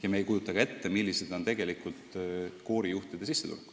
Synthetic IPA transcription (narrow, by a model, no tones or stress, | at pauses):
jɑmeːjkujut̪ːˑɑkɑe̞t̪ːe̞milʲːise̞d̪̥o̞nt̪e̞ɡe̞likult̪ko̞ːɾijuht̪id̪̥e̞sisːe̞t̪ṵlk